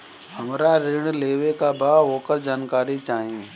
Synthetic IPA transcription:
hɐmɾaɾɪɽ̃leːʋekabaːɦoːkəɾd͡ʒaːnkaːɾit͡ʃaːɦẽː

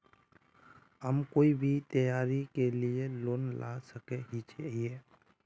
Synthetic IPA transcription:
ɦəmkoːibʱit̪əjaːɾikelieloːnlʔa̰səkeɦit͡ʃʰie

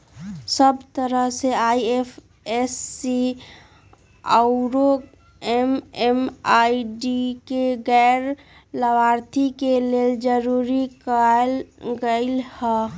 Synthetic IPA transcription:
səbt̪əɾəɦseaːiefʰ | esːi | aʊɾo | ememaːiɖikeɡɛːɾ | ləbaːɾt̪ʰikeleːld͡ʒəɾuːɾikalɡəɪlhɛ

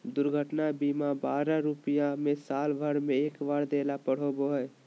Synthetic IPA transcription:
d̪ʊɾɡʱəʈnabimabaːɾaɾupijãmesaːlbʱəɾmẽeːkʋaːɾd̪eːlapəɽ̤oboɦɛj

